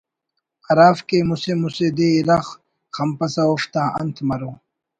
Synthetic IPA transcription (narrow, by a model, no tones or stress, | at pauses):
ɐɾaːfkemusemused̪eiɾɐx | xɐmpɐsɐoft̪aːɐ̰nt̪ʰmɐɾõː